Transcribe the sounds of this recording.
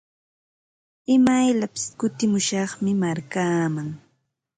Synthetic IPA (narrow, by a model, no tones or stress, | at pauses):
ɪmajʎapɪ̥skʊt̪ɪmʊʃɑχmɪmaɾkaːmaŋ